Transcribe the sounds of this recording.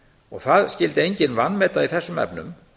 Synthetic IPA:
ɔɣθaðscɪlt̪ɪejɲcɪnvanːmɛːt̪aiθɛsːʏmɛ̰pnʏ̰m

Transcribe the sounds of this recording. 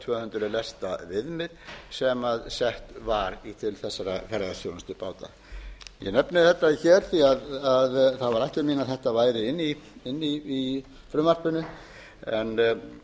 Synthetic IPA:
t̪ʰvœːhʏnt̪ɾʏlɛst̪avɪðmɪðsɛmaðsɛht̪vaɾit̪ʰɪlθɛsːaɾafɛɾɣasjoːwnʏst̪ʏpaːwt̪a̰ | jɛ̰nɛpnɪθɛt̪ːaçɛɾ̥θiaðaðθaðvaɾajht̪ɪɾmiːnaθɛht̪avaːjɾɪɪnːiɪnːiː | fɾʏmar̥pʏnʏ | ɛn

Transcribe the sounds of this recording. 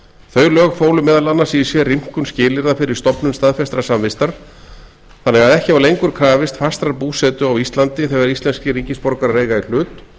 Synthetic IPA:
θœɥlœːɣfoːwlʏmɛːðalanːasisjɛrim̥kʏnscɪːlɪɾðafɪɾɪɾ̥st̪ɔpnʏnst̪aðfɛst̪ɾasamvɪst̪aɾ̥ | θanːɛɣaðɛhcɪavalejŋkʏɾ̥kʰɾaːvɪst̪fḁst̪ɾaɾpuːsɛt̪ʏawist̪lant̪ɪθɛɣaɾist̪lɛnscɪɾicɪspɔɾkaɾreːjɣail̥ʏːt̪

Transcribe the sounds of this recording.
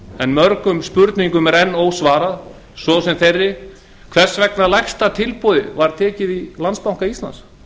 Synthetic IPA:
ɛnmœɾkʏmspʏɾt̪niŋkʏmɛɾɛnːoːwsvaːɾað | sɔsɛmθejrːɪ | kʰvɛr̥svɛknalajxst̪at̪ʰɪlpoðɪvaɾ̥t̪ʰɛːcɪðilanspawŋkaist̪la̰ns

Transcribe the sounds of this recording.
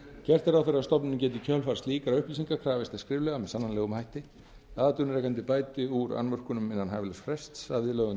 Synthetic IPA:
cɛr̥t̪ɛɾawfɪɾɪɾast̪ɔpnɪncɛːt̪ɪcʰœlfaɾst̪liːkaɾawʏhplisiŋkakʰɾaːvɪst̪ɛ̥skɾɪːvlɛɣamɛsanːanlɛːɣʏmhajht̪ɪ | aːðt̪ʏnɾɛːkant̪̬ɪpaːjt̪ɪuɾa̰nmœr̥kʏnʏmɪnːanhajvlɛsfɾɛst̪savðɪlœːɣʏn

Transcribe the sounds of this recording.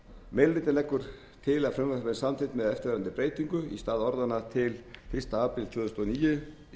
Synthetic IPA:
mɛlvɪːt̪ɪnɛkːʏɾ̥ | t̪ʰɪlaðfɾʏmvapɛnsamt̪ʰɪt̪mɛðɛft̪ɪɾvɛːɾant̪ɪpɾeːjt̪iŋkʏist̪aːðɔɾðanat̪ʰɪlfɪ̥st̪aaːpɾɪlt̪ʰvʏːðʏst̪ɔːniːjʏ

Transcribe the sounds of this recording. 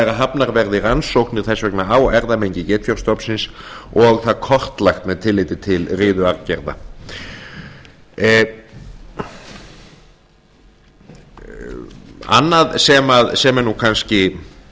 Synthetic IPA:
ɛɾaɦapnaɾvɛɾðɪransowhknɪɾ̥θɛsvɛknaawɛɾðamejɲcɪcɛːt̪fjɔwɾ̥st̪ɔpsɪns | ɔɣθaðkʰɔr̥t̪lajxt̪mɛðt̪ʰɪlːɪːt̪ɪt̪ʰɪlrɪːðʏaɾcɛɾða̰ | a̰nːaðsɛmaðsɛmɛɾnukʰanscɪ

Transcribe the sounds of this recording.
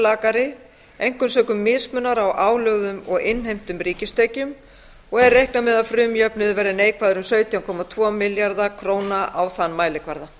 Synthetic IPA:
laːkaɾɪ | ejŋ̥kʏmsœːkʏmːɪðsmʏnːaɾawʔaːwlœɣðʏmɔɣɪnːɦejm̥t̪ʏmriːcɪst̪eːjcʏm | ɔɣɛɾːejhknamɛðafɾʏːmjœpnʏðvɛɾðɪneːjkʰvaːðʏɾʏmsœːɥt̪ʰjawŋkʰɔmat̪ʰvɔːmɪljaɾðakʰɾoːwnaawθanːmaːjlɪkʰvaɾða

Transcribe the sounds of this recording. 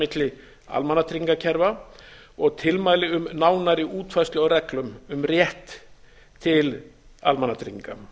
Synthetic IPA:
ɪt̪lɪ | a̰lmanːat̪ɾiŋkacʰɛɾva | ɔɣt̪ʰɪlmaːjlɪʏmnaːwnaɾɪʔuːt̪fajst̪lɛɣɔwɾɛklʏmʏmrjɛht̪ʰ | ɪl | almanːat̪ʰɾiŋka̰

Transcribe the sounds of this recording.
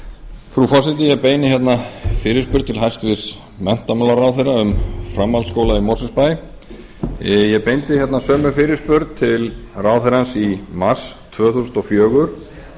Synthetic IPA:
fɾufasɪt̪ɪjɛɣpeːjnɪçjɛt̪nafɪːɾɪspʏɾt̪t̪ʰɪlɦajst̪vɪs | mɛn̥t̪amalaraːwθejɾaʏmfɾamːalskoːwlaimɔrsɪspaj | jɛpejnt̪ɪçjɛt̪nasœːmʏfɪɾɪspʏɾt̪̚t̪ʰɪlraːwθejɾansimast̪ʰvœːθuːsʏnt̪ɔfjœːɣʏɾ̥

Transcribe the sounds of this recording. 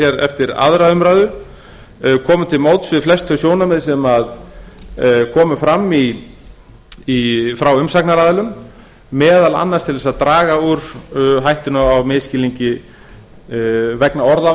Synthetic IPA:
ɛɾɛ̰ft̪ɪɾa̰ðɾaðʏmɾajðʏ | kʰɔːmʏt̪ʰɪlmoːwt̪svɪðflɛst̪ʰœsjoːwnamɛðs̬ɛmað | kʰɔːmʏfɾamːi | fɾawʏmsaknaɾaːðɪlʏmː | ɛːðala̰nːaɾst̪ʰɪlðɛsaðt̪ɾaːɣauɾ̥ɦajht̪ɪnʏawmɪðscɪliɲcɪ | vɛknaɔɾða

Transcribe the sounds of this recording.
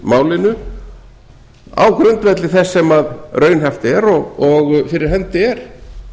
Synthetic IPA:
maːwlɪnʏ | a̰wkʰɾʏnt̪vɛt̪lɪθɛsːɛmaðrœːɥnɦɛft̪ɪɛɾɔɣɔɣfɪɾɪɾ̥ɦɛnt̪ɪɛɾ̥

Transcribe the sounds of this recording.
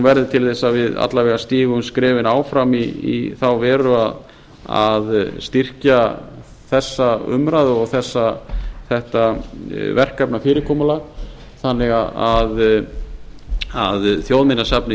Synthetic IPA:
vɛɾðɪt̪ʰɪlθɛsːavɪða̰t̪lavɛːɣast̪iːɣʏmskɾɛːvɪnaːwfɾamiḭθawvɛːɾʏað | a̰ðst̪ir̥ca | θɛsːaʏ̰mɾajðʏɔɣθɛsːaθɛht̪avɛr̥kapnafɪːɾɪkʰɔːmalaɣ | θanlɛɣaað | aðθjowðmɪnːasapnɪ

